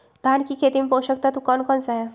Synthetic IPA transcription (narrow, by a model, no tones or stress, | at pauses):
d̪ʱankikʰet̪imepoʃək̚t̪at̪ukɔnkɔnsaɦe